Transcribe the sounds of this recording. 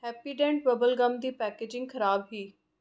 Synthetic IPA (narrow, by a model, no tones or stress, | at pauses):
hɛːpiɖẽːɳʈbɐbəlɡɐ̃md̪iːpɛːkeːd͡ʑɪ̃ŋɡkʰɐɾaːbɦiː